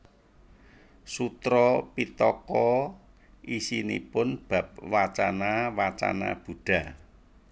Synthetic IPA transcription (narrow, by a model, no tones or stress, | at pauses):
sut̪ɾɔpit̪ɔkɔ | ʔisinḭpʊnb̥ä̤p̚wat͡ʃanawat͡ʃa̰na̰b̥ṳɖ̥ä̤